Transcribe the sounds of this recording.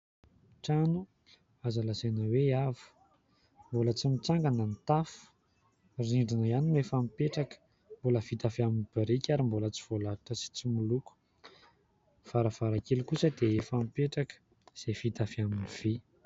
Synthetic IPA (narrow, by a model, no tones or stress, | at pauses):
ʈ͡ʂanu | azalasenəweavu̥ | mbolət͡simit͡saŋɡanənit̪afu̥ | riɳɖ͡ʐinəianimefamipeʈ͡ʂakə̥ | mboləfit̪afaminib̥iɾikʲaɾimbolət͡si̥v̥olaɾaʈ͡ʂəsi̥t͡simuluku̥ | v̥aɾavaɾakelkusəd̪eefamipeʈ͡ʂakə̥ | z̥efit̪afiaminiv̥i